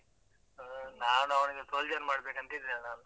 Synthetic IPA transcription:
naːnɐʋɳiɡesold͡ʒɐnmaːɽbeːkɐnt̪id̪ɾanaːnu

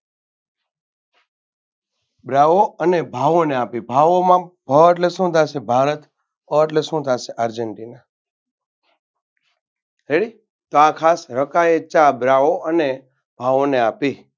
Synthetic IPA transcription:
bɾaʋoənebʱaʋoneapibʱaʋomãbʱəʈlesõd̪ʱasebʱaɾət̪ | əʈlesõd̪ʱaseʔaɾd͡ʒəɳʈina | ɾeɽi | t̪oakʰasɾəkaet͡ʃabɾaoʔəne | bʱaʋoneapi

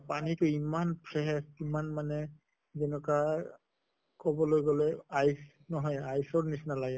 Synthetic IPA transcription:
panitʊimanpʰɹɛɛsimanmanɛ | zɛnɔka | kɔbɔlojɡɔlɛajs | nɔɦɔjajsɔɹnisnalaɡɛ

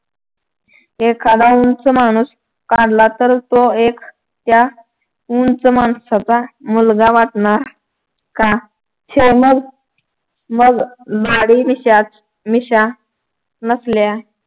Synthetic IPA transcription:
ekʰad̪aunt͡səmañuːs | kaɽlat̪əɾt̪oekʰ | t̪ja | unt͡səmansat͡samulɡaʋaʈɳaɾ | ka | t͡ɕʰeməɡ | məɡlaɽimat͡s | miɕa | nəsljae

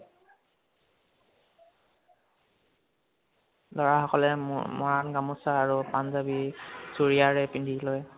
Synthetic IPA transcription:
lɔɹahɔkɔlɛmɔɹanɡamusaːɹupanzabisuɹiaɹɛpindʱiloj

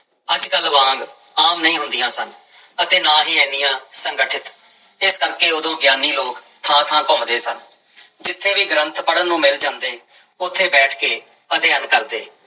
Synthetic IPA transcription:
əd͡ʒkəlʋãːŋɡ | aːmnəĩːɦʊnd̪ɪjãːsən | ət̪eːnaːɦiːɛːnɪjãːsəŋɡəʈʰɪt̪ | ɪskəɾkeːʊd̪õːɡjaːniːloːk | t̪ʰãːt̪ʰãːkɔmd̪eːsən | d͡ʒɪt̪ʰːeːʋiːɡɾə̃nt̪pəɽənːũːmɪld͡ʒãːnd̪eː | ʊt̪ʰːeːbɛːʈʰkeː | əd̪eankəɾd̪ḛː

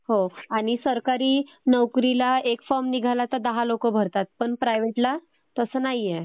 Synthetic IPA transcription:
ɦoaɽ̃isəɾkaɾiːnəwkɾilaekfɔɾmniɡʱalat̪əd̪əɦalokobʱəɾt̪at̪̚pəɳpɾajʋeʈla | t̪əsəːnaɦjje

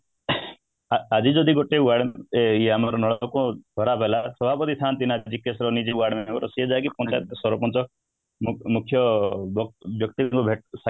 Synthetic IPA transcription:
ad͡ʒid͡ʒɔd̪ʱiɡoʈeuaɽmjeamaɾɔnɔɭɔkɔ̃d̪ʱɔɾapelasɔbʱapɔt̪it̪ʰaːnt̪inad͡ʒikːesɾɔnid͡ʒeuaɽmekɔɾɔsied͡ʒak̬ipɔ̃nt͡ʃasɔɾɔpɔnt͡ʃɔ | mukʰjɔbbjɔk̚t̪iŋkubʱeʈ̚sa

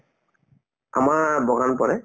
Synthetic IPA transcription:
a̰maɹbɔɡanpɔɹɛ

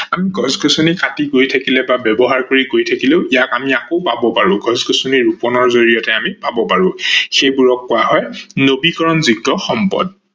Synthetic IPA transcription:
amiɡʱɔzɡɔsunikatikojtʰakilɛbabɛbɔɦaɹkoɹikojtʰakileʊʔijakamiakoʊpabɔpaɹʊ̃ɡʱɔzɡɔsuniɹupɔnɔɹzoɹijɔtɛamipabɔpaɹʊ̃xejbuɹɔkːʊaɦɔjnobikɔɹɔnziɡtɔxɔmpɔ̰d̚

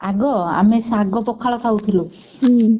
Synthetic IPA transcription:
aɡɔa̰mesaɡɔpɔkʰaɭɔsʰaut̪ʰilũ

